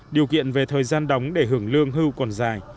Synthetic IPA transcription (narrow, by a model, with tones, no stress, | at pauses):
ɗi˨˩əwkḭ˧˨ənve˨˩t̪ʰəː˨˩jzaː˧nɗə˨˦wŋ͡mɗe˧˩ɦɨ˧˩əŋlɨ˧əŋɦɨ˧wkɔ˨˩nzaː˨˩j